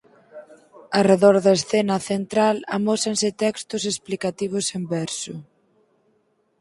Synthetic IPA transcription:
areðoɾðɐesθɛnɐθent̪ɾala̰mosensɪt̪ɛkst̪ʊsesplikat̪iβ̞ʊsembɛɾsʊ

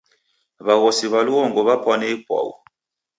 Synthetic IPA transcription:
βaɣɔsiβaluɣɔŋɡɔβapwanɛipwa̰wṵ

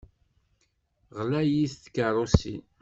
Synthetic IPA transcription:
ʁlæjiθθkːərˤosḭn

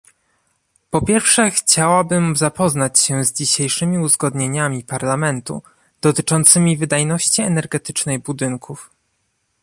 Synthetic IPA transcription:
pɔpʲjɛɾfʂɛxt͡ɕawabɘmzapɔzn̪at͡ɕɕɛzd͡ʑiɕejʂɘmʲiuzɡɔd̪ɲeɲamʲipaɾlamɛnt̪ṵ | d̪̥ɔt̪ɘt͡ʂɔnt̪sɘmʲivɘd̪ajnɔɕt͡ɕiɛnɛɾɡɛt̪ɘ̥t͡ʂnɛjbud̪ɘŋkuf

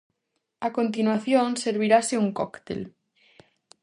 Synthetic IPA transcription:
akont̪̬inwaθjonseɾβ̞iɾaseuŋkɔkt̪ḛl

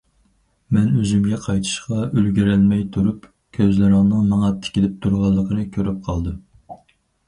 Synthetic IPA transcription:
mɛnøzymɡʲɛqʰɑjt̪ʰɨ̥ʃqɑølɡʲiɾɛlmɛjt̪ʰuɾup | kʲʰøzlɪɾɪŋnɨŋmɑŋɑt̪ʰːɪ̥kʲilɪp̚t̪ʰuɾʁɑlˠːəqənɨkʲʰøɾyp̚qʰɑlˠd̪ɨ

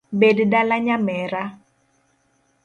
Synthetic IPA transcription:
beddalaɲamɛɾa

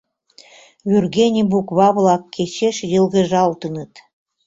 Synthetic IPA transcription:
βʲyrɣenʲibukβɑβlɑkːet͡ɕeʃjəlɣə̆ʒɑlt̪ənət̪

